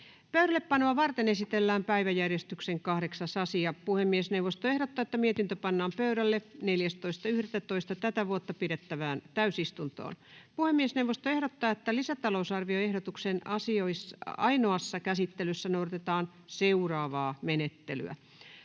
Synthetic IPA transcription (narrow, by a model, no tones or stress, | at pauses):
pøyɾælːeppɑnoɑʋɑrt̪enesit̪elːæːmpæiʋæjærjest̪ykseŋkɑhɾeksɑsɑsiɑpuhemːiesneuʋost̪oehɾot̪ːɑːet̪ːæmiet̪int̪øpɑnːɑːmpøyɾælːeneljæst̪oist̪ɑyhɾet̪ːæt̪oist̪ɑt̪æt̪æʋuot̪ːɑpiɾet̪ːæʋæːnt̪æysist̪unt̪o̰ːnpuhemːiesnewʋost̪oehɾot̪ːɑːet̪ːælisæt̪ɑlousɑrʋioehɾot̪uksenɑsioisɑinoɑsːɑkæsit̪ːelysːænouɾt̪et̪ɑːn | seurɑːʋɑːmenet̪ːely̰æ̰